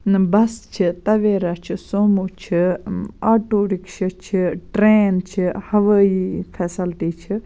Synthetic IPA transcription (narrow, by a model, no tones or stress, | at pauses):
bɐst͡ʃʰɨt̪ɐʋeːɾat͡ʃʰisoːmuːt͡ʃʰiaːʈuːɾikʃɐt͡ʃʰiʈɾeːnt͡ʃʰihɐʋəːifʰɛːsɐlt̪iːt͡ʃʰi